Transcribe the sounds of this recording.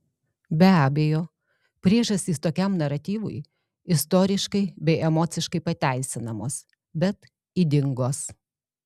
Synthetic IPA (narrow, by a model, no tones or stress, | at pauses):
bʲɛæːbʲejoː | pʲɾʲiːʒɐsʲt̪ʲiːst̪oːkʲɛmnɐɾɐt̪ʲiːʋʊ̰j | ɪst̪oːɾʲɪʃkɐɪbʲɛɪʔɛmɔːt̪sʲɪʃkɐɪpɐt̪ʲæˑɪsʲɪnɐmoːs | bʲɛt̪ | id̪ʲɪŋɡoːs